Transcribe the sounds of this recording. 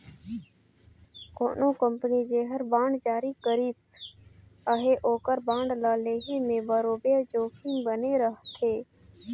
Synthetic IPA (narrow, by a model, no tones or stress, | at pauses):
ko̰ːnõkə̃mpənid͡ʒeːɦəɾbãːɳɖd͡ʒaːɾikəɾis | əɦeʔoːkəɾbãːɳɖlaːleːɦemẽbəɾoːbed͡ʒoːkʰinbəneɾəɦt̪ʰeː